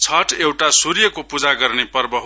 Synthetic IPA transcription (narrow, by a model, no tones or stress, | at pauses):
t͡sʰʌʈewʈasuɾjʌkopud͡zaɡʌrnepʌrbʌɦ